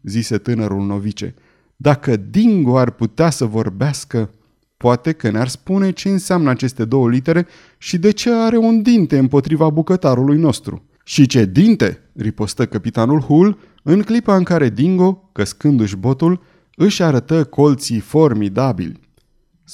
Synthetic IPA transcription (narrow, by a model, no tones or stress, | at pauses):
zise̞t̪ɨnəɾulno̞vit͡ʃe̞̰ | d̪akəd̪iŋɡo̞arput̪easəvo̞rbeaskə | poat̪e̞kənearspune̞t͡ʃe̞ɨnseamnəat͡ʃe̞st̪e̞d̪o̞wəlit̪e̞ɾe̞ | ʃid̪e̞t͡ʃe̞aɾe̞und̪int̪e̞ɨmpo̞t̪ɾivabukət̪aɾulujno̞st̪ɾṵ | ʃit͡ʃe̞d̪int̪e̞̰ | ɾipo̞st̪əkəpit̪anulhul | ɨŋklipaɨŋkaɾe̞d̪iŋɡo̞kəskɨnd̪ɨʃbo̞t̪ul | ɨʃaɾət̪əko̞lt̪sifo̞rmid̪abḭlʲ